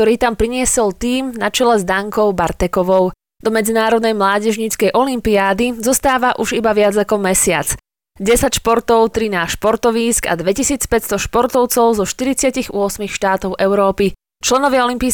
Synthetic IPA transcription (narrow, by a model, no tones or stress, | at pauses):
t̪ɔɾiːt̪ampɾiɲɪɛsɛlt̪iːmnat͡ʃɛlɛzd̪aŋkɔʊbaɾt̪ɛkɔʋɔʊ | d̪ɔmɛd͡zinaːɾɔd̪̚nɛjmlaːɟɛʒɲiːt͡skɛjʔɔlimpiaːd̪izɔst̪aːʋaʔuʒibaʋɪad͡zakɔmɛsɪa̰t͡s | ɟɛsacʃpɔɾt̪ɔʊt̪ɾinaːʃpɔɾt̪ɔʋiːska̰d̪ʋɛcisiːt͡spɛst̪ɔʃpɔɾt̪ɔʊt͡sɔʊzɔʃt̪iɾit͡sɪaciɣʊɔsmixʃt̪aːt̪ɔʊʔɛʊɾɔːpi | t͡ʃlɛnɔʋɪaɔlimpiː